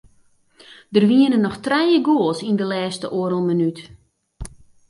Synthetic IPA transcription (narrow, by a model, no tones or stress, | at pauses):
dərʋiənənːɔxtrɛjəɡoəlˠsindəlɛːstəʔoːəɾəlˠmənyt